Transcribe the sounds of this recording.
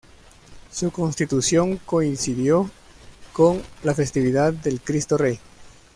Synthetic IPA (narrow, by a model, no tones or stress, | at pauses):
suko̞nst̪it̪usjo̞ŋko̞insiðjo̞ | ko̞ŋlafe̞st̪iβiðaðde̞lkɾist̪orej